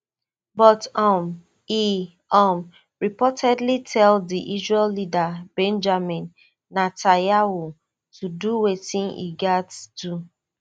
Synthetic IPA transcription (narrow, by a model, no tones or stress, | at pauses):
bɔtɔm | i | ɔm | ɹipɔtɛdlitʰɛlddiʔizɛlːidabɛ̃nd͡ʒamĩnː | atajawu | tʰuduwetɪ̃nḭɡatdu